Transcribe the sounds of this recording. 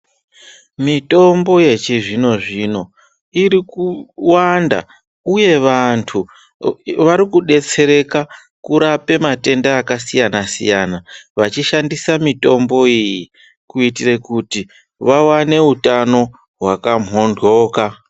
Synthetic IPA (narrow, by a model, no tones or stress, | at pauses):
mito̞mbo̞je̞t͡ʃiʐino̞ʐino̞ | iɾikuwanda̰ | uje̞ʋantʰu | ʋaɾikuɗe̞t͡se̞ɾe̞ka | kuɾape̞mate̞ndaːkasijanasḭjanaʋat͡ʃiʃandisamito̞mbo̞iji | kuitirekuti | ʋawane̞utano̞ | ɦwakam̤ɦo̞ndɣo̞ːka